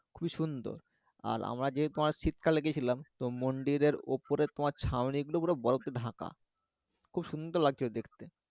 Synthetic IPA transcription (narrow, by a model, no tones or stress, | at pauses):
kʰubiʃund̪o̰ɾ | a̰ɾa̰mɾad͡ʑet̪omaɾt͡ɕit̪kʰaleɡet͡ɕʰilamt̪omoɳɖiɾeɾo̰poɾet̪omaɾt͡ɕʰawniɡulokuɾobɔɾot̪eɖʱaka̰ | kʰubʃund̪oɾlaɡ̚d͡ʑod̪ekʰt̪e